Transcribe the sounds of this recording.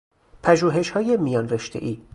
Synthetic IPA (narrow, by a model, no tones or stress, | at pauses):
pʰæʒuːɦe̞ʃhɒːjemijɒːnreʃt̪ʰe̞̰ʔiː